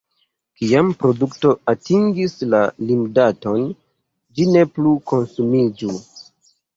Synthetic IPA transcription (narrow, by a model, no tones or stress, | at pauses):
kiampɾo̞dukto̞atiŋɡislalimdato̞n | d͡ʒine̞pluko̞nsumid͡ʒu